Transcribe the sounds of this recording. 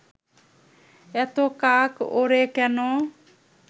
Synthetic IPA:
et̪okakoɾekeno

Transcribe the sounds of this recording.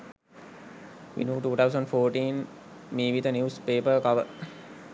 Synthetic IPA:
ʋḭnjuːʈuːt̪ʰawsə̃ɳɖfoːʈĩːn | miːʋid̪ənjuːspeːpəkɐʋə

